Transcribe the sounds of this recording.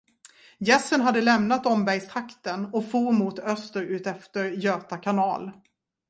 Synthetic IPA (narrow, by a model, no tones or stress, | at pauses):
jɛsːənɦad̪ːəlɛmnat̪ɔmbæɾjst̪ʰɾakt̪ənɔfuːɾmuːt̪œst̪əɾʉ̟ːt̪ɛft̪əɾjøːt̪akʰanɑːl